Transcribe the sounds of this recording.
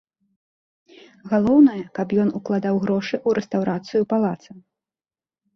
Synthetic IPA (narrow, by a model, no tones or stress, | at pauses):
ɣalˠɔwnɐjɐkapjɔnuklˠad̪awɣɾɔʂɨʔuɾɛst̪awɾʔat̪sɨjupalˠat̪sɐm